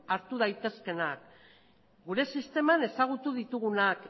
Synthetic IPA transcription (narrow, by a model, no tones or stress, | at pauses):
aɾt̪uð̞ajt̪e̞ske̞nak | ɡuɾe̞sist̪e̞mane̞saɣ̞ut̪uð̞it̪uɣ̞unak